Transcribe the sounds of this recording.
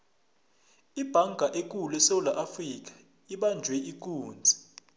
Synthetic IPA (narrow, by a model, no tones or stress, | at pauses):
ib̥ʱaŋɡʱaʔek̬ʼulɛsɛwulaʔafrik̬ḁ | iɓand͡ʒʱwɛʔik̬ʼuːnd͡zʱi̥